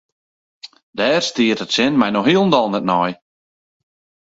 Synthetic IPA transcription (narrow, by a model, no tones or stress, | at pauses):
dɛːrstiətətsɪnmɛjnɔxhiəlˠn̩dɔlˠnɛtnɔj